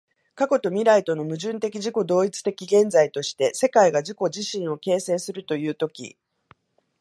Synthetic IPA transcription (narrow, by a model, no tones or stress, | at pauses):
kako̞t̪o̞mʲiɾait̪o̞no̞mɯ̟ʑɨ̃nt̪e̞kʲiʑiko̞d̪o̞ːit͡sɨ̥t̪e̞kʲiɡẽ̞nd͡zait̪o̞ɕi̥t̪e̞se̞kaiɡaʑiko̞ʑiɕĩɰ̃o̞ke̞ːse̞ːsɨɾɯ̟t̪o̞jɯ̟ːt̪o̞kʲḭ